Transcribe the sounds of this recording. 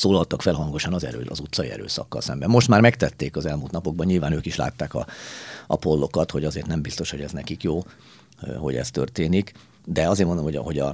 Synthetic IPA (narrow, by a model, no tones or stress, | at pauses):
soːlɒlt̪ɒkfɛlɦɒŋɡo̞ʃɒnɒzɛ̰ɾø̰ːɒzut̪sɒḭɛ̰ɾø̰ːsɒ̰kːɒ̰lsɛmbɛmːo̞ʃt̪maːrmɛkt̪ɛt̪ːeːkɒzɛlmult̪nɒpo̞ɡbɒɲɲilvaːnøːkiʃla̰ːt̪ːaːkɒ̰ʔɒ̰po̞lːo̞kɒt̪ho̞ɟɒzeːrt̪nɛmbist̪o̞ʃho̞̰ɟɛznɛkikjoː | ho̞̰ɟɛ̰st̪ø̰rt̪eːnik | d̪ɛɒzeːnmonomhoɦo̞ɟɒ